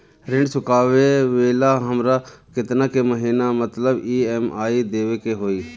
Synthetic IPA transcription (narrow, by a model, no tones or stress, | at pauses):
ɾɪ̃ɳɖsʊkaːʋeʋeːlaɦəmɾakɪt̪nakeməɦiːnamət̪ləbiːemaːid̪eːʋekeɦoːiː